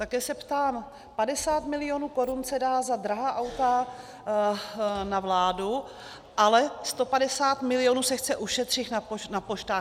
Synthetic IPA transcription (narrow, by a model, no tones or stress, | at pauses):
t̪akɛːsɛpt̪aːm | padɛsaːt̪mɪlɪjoːnuːko̞ɾunsɛdaːzad̪ɾaɦaːʔawt̪a | navlaːdu | ʔalɛst̪o̞padɛsaːt̪mɪlɪjonuːsɛxt͡sɛʔuʃɛt̪r̥ɪxnaponapoʃt̪aːx